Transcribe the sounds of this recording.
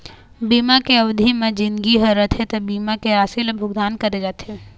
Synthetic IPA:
biːmakeɐʋd̪ʱimẽd͡ʒɪnɡiɦəɾət̪ɦɛt̪obiːmakeaːsilbʱʊɡd̪aːnkɐɾed͡ʒaːt̪ɦe

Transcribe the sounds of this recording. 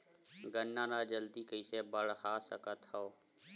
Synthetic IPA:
ɡənːãːnaːd͡ʒəld̪iːkəiːseːbəɽhaːsəkət̪ʰoː

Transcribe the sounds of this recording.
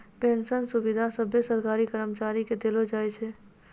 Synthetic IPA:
pẽnsənsʊʋɪd̪ʱasəbʱjəsəɾkaːɾikəɾəmt͡ʃaːɾiked̪elod͡ʒaːɛt͡ʃʰɛ

